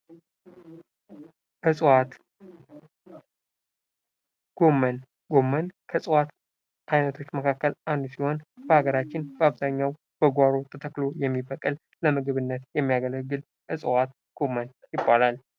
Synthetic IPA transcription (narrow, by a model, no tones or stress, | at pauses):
ʔɨsʼwat̪ | ɡ̥o̞mːən | ɡ̥o̞mːənkʰəsʼɨwat̪ | ʔajnət̪ʰo̞t͡ʃːməkʰakːəlʔand̪usiho̞nb̥əhaɡəɾat͡ʃːɪnb̥əaβzaɲːaw | b̥əɡʷaɾo̞t̪ʰət̪ʰəkːlo̞jɛmːibəkʼɨl | ləmɨɡɨβɨnːət̪jɛmːijaɡələɡːɨl | ʔɨsʼɨwat̪ | ɡ̥o̞mːən | jɪbːalal